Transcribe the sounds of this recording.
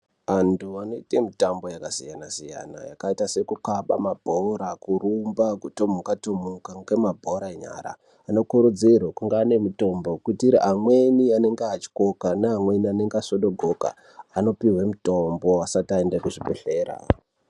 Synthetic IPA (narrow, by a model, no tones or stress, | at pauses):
antuano̞itemitambo̞jakasijanasija̰na̰jakaitase̞kukaɓamabʱoɾakurumbakutomukatomukaŋɡwemabʱoɾaeɲa̰ɾa̰ː | no̞kuɾud͡zirwakuŋɡaːne̞muto̞mbo̞kutiiɾiɦamwe̞niane̞ŋɡeat͡ʃi̥ko̞kanaɦamwe̞niane̞ŋɡasoɗo̞ɡʱoka̰ | ano̞piwe̞muto̞mbo̞asataendekuʐibʱeɬe̞ːɾa̰